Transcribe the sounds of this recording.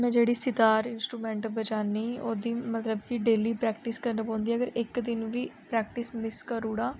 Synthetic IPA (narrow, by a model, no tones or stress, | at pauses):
mɛ̃ːd͡ʒeːɽiːsɪt̪aːɾɪnsʈɾuːmɛ̃ːɳʈbət͡ʃaːniːoːd̪iːmət̪ləbkiɖeːliːpɾɛːkʈɪskəɾnəpõːnd̪iːɛːəɡəɾɪkd̪ɪnʋiːpɾɛːk̚ʈɪsmɪskəɾuːɽaː